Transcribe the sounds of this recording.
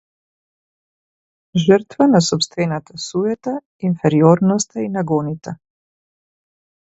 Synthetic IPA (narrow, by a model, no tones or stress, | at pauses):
ʒəɾt̪vanasɔpst̪vɛnat̪asujɛt̪a | infɛɾiɔɾnɔst̪ainaɡɔnit̪a